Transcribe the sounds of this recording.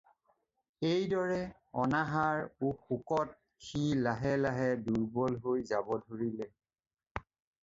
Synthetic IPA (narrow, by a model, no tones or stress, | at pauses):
ejdɔɹɛ | ɔnaɦaɹukukɔt̚ | xilaɦɛlaɦɛduɹbɔlɦojzabɔdʱoɹilɛ